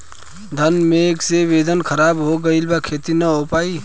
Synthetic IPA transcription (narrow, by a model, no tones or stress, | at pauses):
d̪ʱənmẽkseʋeːd̪ʱənkʰəɾaːbɦoɡəilbakʰeːt̪inɐɦopaːi